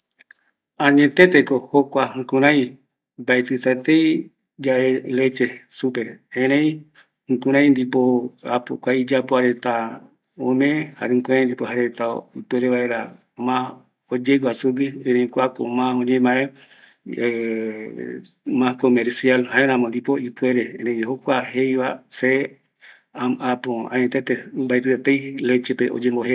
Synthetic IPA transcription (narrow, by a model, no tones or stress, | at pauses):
ãɲẽt̪et̪ekohokʷaŋkũɾ̃ãj̃ | bajt̪ɨt̪at̪ei | d͡ʒaelet͡ʃesupeẽɾ̃ẽj̃ | ŋ̩kũɾ̃ãj̃nd̪ipoapokʷaid͡ʒapoaɾet̪a | õmẽha̰ɾeŋkũɾ̃ãj̃nd̪ipohaɾet̪aut̪eɾeβaeɾa | mã | od͡ʒeɡwasuɡieɾẽjkʷako̰mãõɲẽmãe | mãkomeɾsialhaeɾãmõnd̪ipoipueɾeẽɾẽj̃ɦokʷahejβase | aapoã̰ɲẽt̪et̪embajt̪ɨet̪ejlet͡ʃepeʔo̰d͡ʒemboɦe